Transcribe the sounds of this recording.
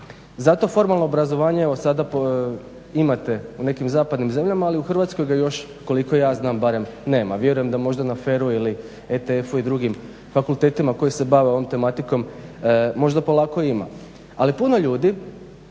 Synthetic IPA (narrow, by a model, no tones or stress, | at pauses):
zat̪o̞fo̞ɾmalˠno̞obɾazo̞ʋaːɲeeʋo̞sad̪apo | imat̪e̞une̞kimzaːpad̪nimze̞mʎamaːliuxr̩ʋat̪sko̞jɡajo̞ʃ | ko̞liko̞jaːznaːmbaɾe̞mne̞ːmaʋje̞ɾuje̞md̪amo̞ʒd̪anaːfe̞ːɾuili | et̪eefuid̪ɾuɡim | fakulˠt̪e̞ːt̪imako̞jise̞baʋeoʋo̞mt̪e̞mat̪iko̞m | mo̞ʒd̪apo̞lˠaːko̞ima̰ | alipuno̞ʎuːd̪i